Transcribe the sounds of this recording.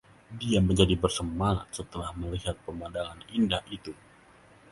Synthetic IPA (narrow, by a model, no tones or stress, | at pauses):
diaməɲd͡ʒadibərsəmaŋa̰t̪̚sət̪əlahməliɦat̪̚pəmadaŋanindahʔit̪u